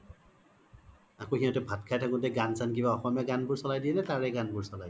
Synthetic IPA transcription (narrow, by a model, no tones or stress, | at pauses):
akoɦiãtubʱatkʰajtʰakʊ̃tɛɡansankibaɔxɔmjaɡanbuɹsɔlajdiɛnɛtaɹɛɡanbuɹsɔlaj